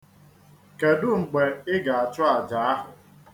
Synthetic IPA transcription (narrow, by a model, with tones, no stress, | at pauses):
ke˨dʊ˦ŋ͡m̩˨k͡pe˨ɪ˦ɡa˨a˨t͡ʃʊ˦a˨d͡ʒa˨˦a˦ɦʊ˨